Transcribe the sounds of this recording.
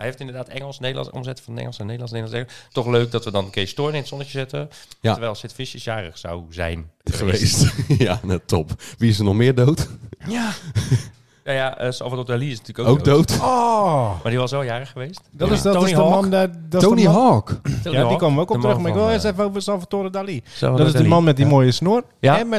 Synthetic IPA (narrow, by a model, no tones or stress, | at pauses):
hɛjheftɪndəɹdaːtɛŋəlˠsnejdəlɑ̰nɔ̰mzɛtəfɔnɛ̰ŋl̩ˠsənejdəlˠɑnsnejdlɑnsɛtɔχløːk̚dɔtʋədɔnəkɪːstʊɹnɪnətsɔnəcəzɪtəjaəɹɛjlˠsɪtfɪʃəsjaːrəχsa̰wzɛ̰jnχəʋeːstjanatʰɔ̰pʋiɪs̬ənɔχmɪːɹdowta | najaəsɔ̰lˠfatodaliɪsnatyːlkoowk̚dowtɔmadiʋɔsɔjaːrəxəʋeːstdɔtɪsdɔɪdəmɔndadɔoniɦɔːkjadikoːməʋəokɔtɾøxmaɪkʋɪlˠɪstɛfəowvəsɔlˠfatodədalḭdɔtɪsdəmanmɛt̚dimoːjəsnʊər | jaɛmɛ